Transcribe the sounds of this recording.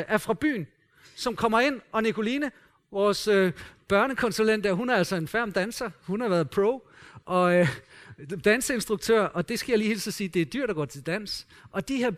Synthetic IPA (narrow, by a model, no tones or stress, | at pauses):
ʔæɐfʁɑ̈b̥y̰ːn | sɒ̽mkʰɒ̽m̰ɐe̝n̰ɒ̽nikʰo̝liːnə | ʋɒːsøb̥ɶɐnəkʰɒ̽nsulen̰d̥æɐɦunæɐæl̰sɒ̽e̝nfæɐ̰md̥ænsɐhunhɑ̈ʋæɐð̩ˠpʰʁoʊ | ʔɒ̽ | d̥ænsəe̝nsd̥ʁuɡ̥̚t͡sʰøɐ̰ʔɒ̽d̥e̝sɡ̥æjäliːhe̝ːlsɒsiːd̥e̝æɐd̥yɐ̰̥ɑɡ̥ɒ̰ːt͡sʰe̝ld̥æn̰s | ʔɒ̽d̥ihæɐ̰